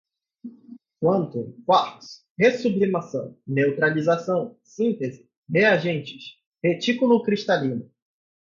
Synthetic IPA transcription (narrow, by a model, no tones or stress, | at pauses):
kwɐ̃nt̪ʊkwaɾt̪ʊ̥s | hesublimasɐ̰̃w̃newt̪ɾalizasɐ̃w̃ | sĩnt̪ezɪ | heaʒẽnt͡ʃɪs | het͡ʃikulʊkɾiʃt̪alĩnʊ